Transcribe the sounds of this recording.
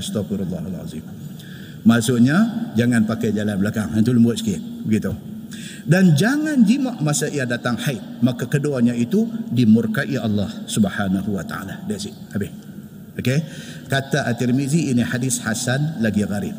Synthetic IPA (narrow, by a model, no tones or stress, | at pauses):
st̪afiɾalːɑɦalʕa̰zḭm | masʊʔɲad͡ʒaŋanpakajd͡ʒalanbəlakaŋənt̪uləmbuʊt̪̚sə̥kɪbəɡit̪u | dand͡ʒaŋand͡ʒimaʔmasaʔijadat̪aŋħaɪt̪̚makakəduaɲait̪udimurkaʔiʔɑlːɑhsubħanaɦuwat̪aa̰ladaʔsiʔ | abɪh | oke | kat̪aʔat̪ilmiziːniħadɪshasanlaɡiɣaɾḭb̚